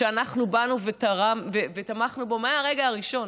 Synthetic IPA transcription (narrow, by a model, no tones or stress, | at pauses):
eanaχnubanuve̞t̪aʁamvevet̪amaχnubo̞maaʁeɡaaʁiʃo̞n